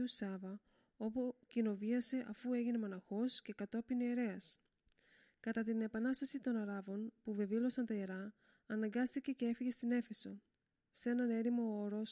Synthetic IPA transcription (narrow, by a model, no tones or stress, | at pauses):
usɐvɐ | o̞pucino̞viɐse̞ʔɐfue̞ʝine̞monɐxo̞sce̞kɐt̪o̞pineːɾe̞ɐs | kɐt̪ɐt̪ine̞pɐnɐst̪ɐsit̪o̞nɐɾɐvo̞npuve̞vilo̞sɐnt̪ɐeɾɐː | nɐŋɡɐst̪ice̞ce̞e̞fiʝe̞st̪ine̞fe̞so̞ | se̞nɐne̞ɾimo̞oɾo̞s